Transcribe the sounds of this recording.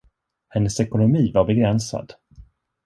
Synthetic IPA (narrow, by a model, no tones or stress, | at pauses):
hɛnːəsɛkʊnʊmiːvaɾbɛɡɾɛnsa̰d̪